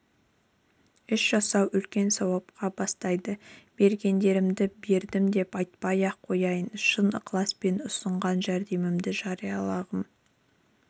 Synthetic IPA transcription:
ʏʃʒ̥ɑsɑwʔʏlkʲe̞nsɑwɑp̚qʰɑbɑst̪ɑjd̪əb̥e̞ɾɡʲe̞nd̪e̞ɾɪmd̪ɪbe̞ɾd̪ɪmd̪e̞pɑjt̪̚pɑjɑqʰːo̞jɑjənʃənəqʰlˠɑspe̞nʊsəɴʁɑnʒæɾd̪e̞mɪmd̪ɪʒɑɾijɑlˠɑʁəm

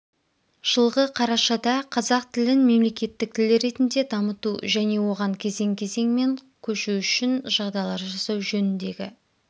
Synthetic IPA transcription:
ʒ̥əlˠʁəqʰɑɾɑʃɑd̪ɑqʰɑzɑq̚t̪ʰɪlɪnme̞mle̞kʲe̞t̪ːɪk̚t̪ʰɪlɪɾe̞t̪ɪnd̪e̞d̪ɑmət̪uʒæne̞wo̞ʁɑŋkʲʰe̞ze̞ŋkʲʰe̞ze̞ŋme̞ŋ | kʲʰɵʃuʏʃɪnʒɑʁd̪ɑjlˠɑɾʒɑsɑwʒɵnɪnd̪e̞ɡʲɪ̰

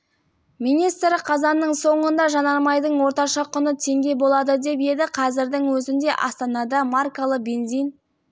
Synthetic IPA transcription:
minijst̪ɾɪqʰɑzɑnːəɴso̞ɴənd̪ɑʒɑnɑɾmɑjd̪əɴwo̞ɾt̪ɑʃɑqʰʊnət̪ʰe̞ŋɡʲe̞bo̞lˠɑd̪əd̪e̞p̬je̞d̪ɪqʰɑzɪɾd̪ɪŋwɵzɪnd̪e̞ʔɑ̰st̪ɑnɑd̪ɑmarkalˠəqbe̞nzijn

